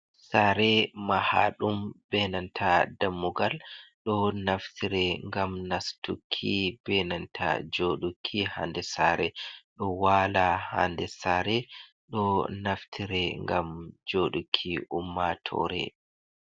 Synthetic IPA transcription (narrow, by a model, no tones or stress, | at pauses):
saɾɛmahaɗumbɛnantʰadamːuɡalɗɔnaftʰiɾɛŋɡamnastukʰːib̥ɛnantʰa̰d͡ʒoːɗukʰːihandɛsaɾɛɗɔwaːlaha̰ndɛsaɾɛ | ɗɔnaftʰiɾɛŋɡamd͡ʒoɗukʰːiʔumːatʰɔ̰ɾɛ̰